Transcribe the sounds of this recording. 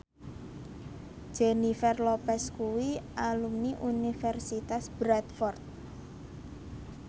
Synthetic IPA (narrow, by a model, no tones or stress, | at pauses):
ʒ̥enifɛrlopɛskuwiʔalumniʔunifɛrsit̪asb̥ɾat̪fɔrt̪̚